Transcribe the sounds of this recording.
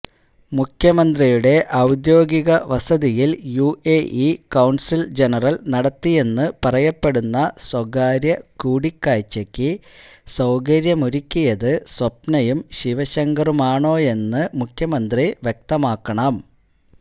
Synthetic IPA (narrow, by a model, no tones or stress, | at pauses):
mukʰjɐmɐnd̪rijuɽe̞ʔɐwd̪jo̞ːɡiɣɐʋɐsɐðijiljuʔeʔikɐwɳsild͡ʑe̞nɐrɐlnɐɽɐt̪ːije̞nːɨpɐrɐjɐpːe̞ɽunːɐswɐɡaːɾjɐkuːɽikːaːjt͡ɕːɐkʲːisɐwɡɐɾjɐmuɾikʲːujɐðɨswɐpnɐjumɕiʋɐɕɐŋɡɐrumaːɳo̞ːe̞nːɨmukʰjɐmɐnd̪riʋjek̚t̪ɐmaːkːɐɳɐm